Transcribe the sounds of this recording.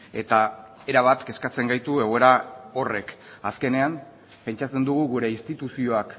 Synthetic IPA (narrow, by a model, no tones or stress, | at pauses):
e̞t̪a | e̞ɾaβ̞at̪ke̞skat͡se̞ŋɡajt̪ue̞ɣ̞o̞e̞ɾao̞re̞k | aske̞ne̞am | pe̞nt͡ʃat͡se̞nd̪uɣuɣuɾe̞inst̪it̪usio̞ak